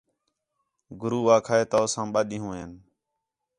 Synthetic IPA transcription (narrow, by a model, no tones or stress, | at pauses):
ɡʊɾuːʋaːkʰaːeːt̪oːsãːmɓaːɗĩːɦũːeːn